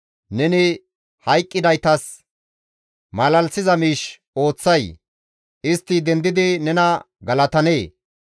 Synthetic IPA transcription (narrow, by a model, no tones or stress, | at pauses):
nɛnɪ | hɐjkʼːɪd̪ɐjt̪ɐs | mɐlɐlsɪzɐmiːʃ | o̞ːt͡sːɐj | ʔɪst̪ːɪd̪ɛnd̪ɪd̪ɪnɛnɐ | ɡɐlɐt̪ɐneː